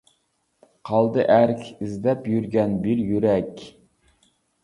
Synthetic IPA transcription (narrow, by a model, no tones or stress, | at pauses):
qʰɑlˠd̪ɨʔæɾkʲʰizd̪ɛpjyɾɡʲɛnbiɾjyɾɛkʲ